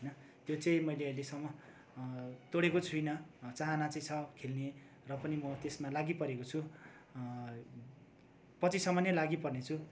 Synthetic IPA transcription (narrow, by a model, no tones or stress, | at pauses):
ʌjnʌ | t̪jot͡sʌĩmʌjleʌilesʌmːʌ | t̪oɽekot͡sʰujnʌt͡saɦanat͡sʌĩt͡sʰʌkʰelne | rʌpʌnimʌt̪esmalaɡipʌɾekot͡sʰu | pʌt͡sisʌmʌnjʌlaɡipʌrnet͡sʰu